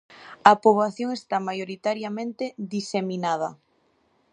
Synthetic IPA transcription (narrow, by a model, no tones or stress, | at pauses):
ɐpoβ̞laθjoŋest̪amajoɾit̪aɾjamẽnt̪eðiseminað̞ɐ